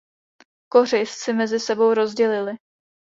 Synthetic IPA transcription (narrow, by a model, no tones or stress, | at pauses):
ko̞r̝ɪst͡sɪmɛzɪsɛbo̞wɾo̞zɟɛlɪlɪ